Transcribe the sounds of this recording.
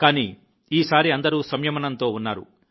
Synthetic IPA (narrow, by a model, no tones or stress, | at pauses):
kaːniː | iːsaːɾiɐnd̪ɐɾuːsɐmjɐmɐnɐnt̪o̞ːunːaːɾṵ